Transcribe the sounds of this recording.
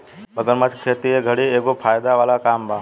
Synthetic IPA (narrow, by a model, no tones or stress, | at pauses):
bəɡəɾmat͡ʃkʰeːt̪ieɡʱəɽiːeːkoːpʰaːjd̪aʋaːlakaːmbaː